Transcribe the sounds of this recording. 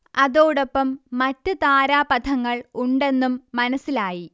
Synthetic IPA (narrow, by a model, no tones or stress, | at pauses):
ɐðoːɽo̞pːɐmːɐtːɨt̪aːɾaːpɐt̪ʰɐŋːɐɭuɳɖe̞nːumːɐnɐsilaːji